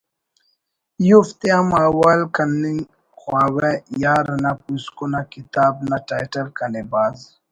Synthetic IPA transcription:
juft̪eamawalkanːiŋ | xwaːwɛjaɾanapuskonakit̪aːbnaʈajʈɐlkanebaːz

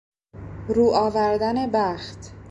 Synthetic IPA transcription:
ɾuːʔɒːvæɾd̪æne̞bæxt̪

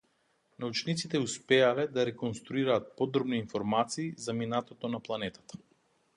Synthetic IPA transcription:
naut͡ʃnit̪sit̪ɛuspɛalɛd̪aɾɛkonst̪ɾuiɾaːt̪̚pɔd̪ɾɔbniːnfɔɾmat̪siːzaminat̪ɔt̪ɔnaplˠanɛt̪ḁt̪ḁ

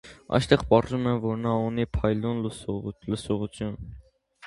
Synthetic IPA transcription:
ɑ̰jst̪ɛʁpɑrʒumɛmvɔɾnɑunipʰɑjlunlsləsɔʁut͡s̪ʰjun

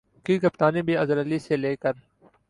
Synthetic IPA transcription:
kiːkɐpt̪aːniːbʱiːɐzələliːseleːkəɾ

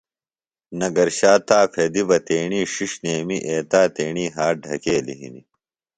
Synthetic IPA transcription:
nɐɡɐɾɕaːt̪aːpʰed̪ibɐt̪eːɳiːʂiʂneːmiʔeːt̪aːt̪eːɳiːɦaːɖʱɐkeːlḭɦḭnḭ

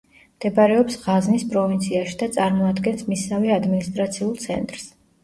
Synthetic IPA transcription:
md̪̥ɛbaɾɛɔpsʁaznispʼɾɔvint̪sʰiaʃid̪at̪sʼaɾmɔad̪ɡɛnsmisavɛad̪minist̪ʼɾat̪sʰiulˠt̪sʰɛ̰nt̪ʼɾs

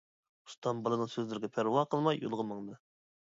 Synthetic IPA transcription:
u̥st̪ɑmbɑlˠɨnɨŋsøzlɪɾɡʲɛpʰæɾwɑqəlˠmɑjːo̰lˠʁəmɑŋd̪ɨ

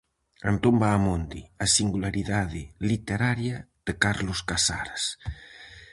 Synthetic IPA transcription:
ant̪ombaːmond̪ḭasiŋɡulaɾiðaðɪlit̪eɾaɾjað̥ekaɾloskasa̰ɾas

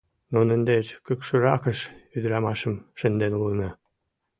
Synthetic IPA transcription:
nonə̆nd̪et͡ɕkəkʃɤ̆ɾɑkə̆ʃyd̪ɾɑmɑʃə̆mʃə̆nd̪enulnɑ

